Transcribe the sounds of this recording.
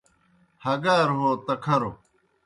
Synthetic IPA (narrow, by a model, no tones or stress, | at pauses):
hɐɡaːɾɦoːt̪ɐkʰɐɾo